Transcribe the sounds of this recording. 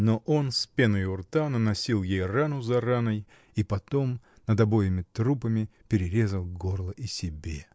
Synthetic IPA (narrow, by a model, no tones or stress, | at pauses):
noʔo̞nspʲenɨjʊrt̪anənɐsʲilˠjejranʊzɐɾanəj | ipɐt̪o̞m | nəd̪ɐbo̞jɪmʲɪt̪ɾupəmʲɪpʲɪɾʲɪɾʲe̞zəlˠɡo̞rlˠəʔisʲɪbʲe